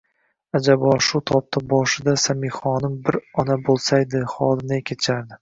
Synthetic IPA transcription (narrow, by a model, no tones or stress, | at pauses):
ad͡ʒabɒʃut̪ʰɒp̚t̪ʰabɒʃɪd̪asamiχɒnɪmbɪɾɒnabolˠsajd̪ɪχɒd̪ɪnakʲʰet͡ʃʰaɾd̪ɪ